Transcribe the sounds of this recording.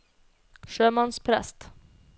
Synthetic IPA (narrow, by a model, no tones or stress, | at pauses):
ʃøːmɔnspʰɾɛ̰st̪